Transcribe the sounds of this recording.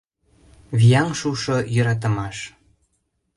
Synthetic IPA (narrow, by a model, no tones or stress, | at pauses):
βijɑŋʃuʃojə̆ɾɑt̪̬ə̆mɑʃ